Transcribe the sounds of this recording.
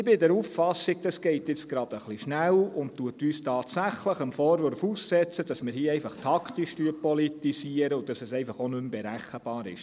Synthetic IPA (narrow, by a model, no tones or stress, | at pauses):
ɪbɪdɛɾuffɑsiɡ̚d̥ɑsɡ̥ɛɪtjɪt͡sɡ̥ɾɑd̥̪əχliʃnælʊnttuətyːstʰɑːtsæχləχəmfoːɾʋøɾfuːssɛt͡səd̥ɑsmɪːɾhiəɛɪfɑχtʰɑktiʃtyəpɔlitisiəɾəʊd̥ɑsɛsɛɪfɑχonʏmbɛɾæχəb̥ɑːɾɪ̰ʃ